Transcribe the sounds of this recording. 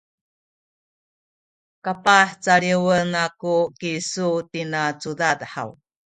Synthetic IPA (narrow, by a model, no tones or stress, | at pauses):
kapaħt͡saɭiwənakukisutinat͡sudadħa̰w